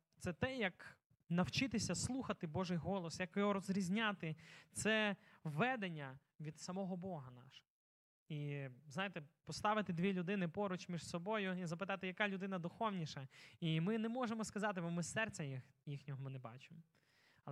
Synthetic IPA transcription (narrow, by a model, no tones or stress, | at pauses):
t̪sɛt̪ɛjɐk | nɐwt͡ʃɪt̪ɪsʲɐslˠuxɐt̪ɪbɔʒɪjɦɔlˠɔsjɐkjɦɔɾɔzɾʲizʲnʲat̪ɪt̪sɛʋːɛd̪enʲːɐ | ʋʲid̪sɐmɔɦɔbɔɦɐnɑ̰ʃɔ̥ | iznɑjet̪ɛpɔst̪ɑʋɪt̪ɪd̪ʲʋʲilʲʊd̪ɪnɪpɔɾʊt͡ʃmʲiʒsɔbɔjʊizɐpɪt̪ɑt̪ɪjɐkɑlʲʊd̪ɪnɐd̪ʊxɔwnʲiʃɐimɪnɛmɔʒemɔskɐzɑt̪ɪbɔmɪsɛrt͡sʲɐjix | jixnʲɔɦɔmɪnɛbɑ̰t͡ʃɪmɔ | ɐ